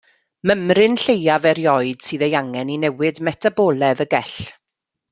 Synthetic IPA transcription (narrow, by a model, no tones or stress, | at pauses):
məmrɪnɬejavɛɾjɔɨd̥sɨːðejaŋɛninɛwɪdmɛtʰabɔːlˠɛðəɡɛɬ